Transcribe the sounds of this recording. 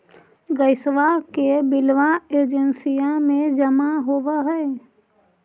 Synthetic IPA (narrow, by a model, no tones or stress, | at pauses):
ɡəɪsʋakebɪlʋaeːd͡ʒənsijamẽd͡ʒəmaɦoːʋaɦɛː